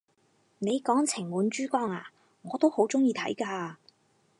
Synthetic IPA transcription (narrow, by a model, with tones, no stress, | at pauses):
ne˨˧jkɔː˨˥ŋt͡sʰɪ˨˩ŋmuː˨˧nt͡ʃyː˥kɔː˥ŋa̰ː˨˩ | ŋɔː˨˧t̪o˥who˨˥wt͡sʊ˥ŋjiː˧t̪ʰɐ̰˨˥jkaː˧